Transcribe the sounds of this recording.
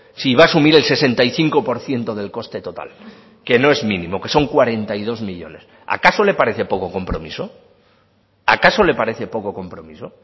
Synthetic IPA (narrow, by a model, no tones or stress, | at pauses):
siβ̞aːsumiɾe̞lse̞se̞nt̪aiθiŋko̞po̞ɾθje̞nt̪o̞ðe̞lko̞st̪e̞t̪o̞t̪a̰l | ke̞no̞e̞zmĩnĩmo̞ke̞̥so̞ŋkwaɾe̞nt̪ajð̞o̞zmiʎo̞̰ne̞s | a̰kaso̞le̞paɾe̞θe̞po̞ko̞ko̞mpɾo̞miso̞ | a̰kaso̞le̞paɾe̞θe̞po̞ko̞ko̞mpɾo̞miso̞